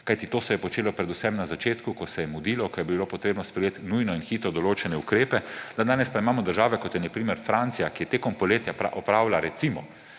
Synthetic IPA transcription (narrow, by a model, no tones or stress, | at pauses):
kajt̪it̪oːsɛjɛpɔt͡ʃeːlɔpɾɛd̪usɛmnazat͡ʃeːt̪kukɔsɛjɛmud̪iːlɔkɔjɛbilopɔt̪ɾeːbnɔspɾɛjeːt̪nujnɔinxiːt̪ɾɔd̪ɔloːt͡ʃɛnɛukɾeːpɛd̪ad̪aːnɛspaimaːmɔd̪əɾʒaːʋɛkɔt̪jɛnapɾimɛɾfɾant̪sijakijɛt̪eːkɔmpɔleːt̪japɾa̰ʔɔpɾaːwlaɾɛt̪simɔ